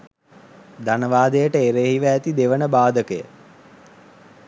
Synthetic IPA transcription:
d̪anəʋaːd̪əjəʈəeɾeːɦiʋææt̪id̪eʋənəbaːd̪əkəjə̰

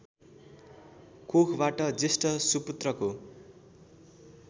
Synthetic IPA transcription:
kokʰbaʈʌd͡zesʈʌsuput̪rʌko

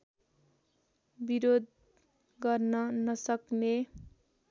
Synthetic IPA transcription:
biɾod̪̚ʱ | ɡʌrnʌnʌsʌkne

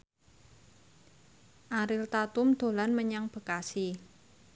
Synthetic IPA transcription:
ʔaɾɪlt̪at̪ʊmd̪̥o̤lanməɲaŋb̥ə̤kasi

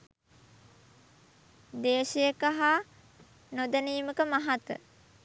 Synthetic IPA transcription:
d̪eːʃejəkaɦaː | nod̪əniːməkəmaɦat̪ə̰

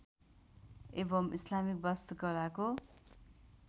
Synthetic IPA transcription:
ebʌmʔislamik̚bʌst̪ukʌlako

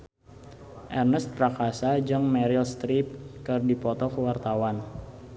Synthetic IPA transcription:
ʔɛrnəst̪̚pɾakasad͡ʒɨŋmɛɾilst̪ɾip̚kɨrdipɔt̪ɔkəwart̪awan

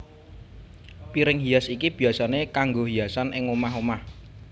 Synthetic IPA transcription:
piɾɪŋɦijasikib̥i̤asanekaŋɡoɦiasanɪŋomaɦomah

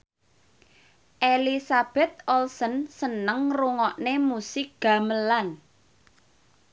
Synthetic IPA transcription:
ʔelisab̥ɛt̪̚ɔlsənsənəŋruŋɔʔnemusɪk̚ɡ̥a̤məlan

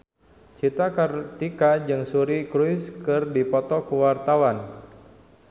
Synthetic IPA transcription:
t͡ʃit̪akart̪ikad͡ʒɨŋsuɾikɾuiskɨrdipɔt̪ɔkuwart̪awan

